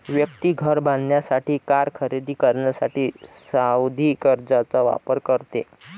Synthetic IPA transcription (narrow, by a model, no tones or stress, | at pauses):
ʋjək̚t̪iːɡʱəɾbãnd̪njasaʈʰiːkaɾkʰəɾed̪iːkəɾɳjasaʈiːsawd̪ʱiːkəɾd͡zat͡saʋa̰pəɾkəɾt̪ḛ